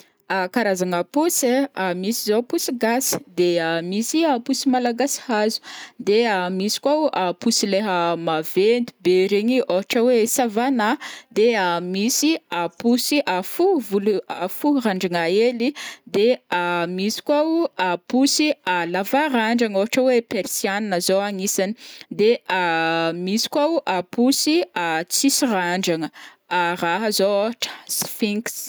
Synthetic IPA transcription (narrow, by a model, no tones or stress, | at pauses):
akaɾazaŋapuseamisizopusiɡasi̥d̪eamisiapusimalaɡasi̥hazu̥d̪eamisi̥kwaapusileɦəmavend̪i̥beɾeɲioɦaʈ͡ʂəwesavanad̪eamisiapusiʔafuvuluafuraɳɖ͡ʐaŋaelid̪eamisi̥kʲʷaapusialavaɾaɳɖ͡ʐaŋoɦaʈ͡ʂəwepeɾsjaninəzowaŋisani̥d̪eamisi̥kʲʷaʔapusiat͡sisiraɳɖ͡ʐaŋə | araɦəzooɦaʈ͡ʂə̥sfiŋks